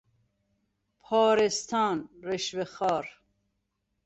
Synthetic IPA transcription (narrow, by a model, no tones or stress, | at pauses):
pʰɑːɾest̪ʰɑːnɾeʃveχɑːɾ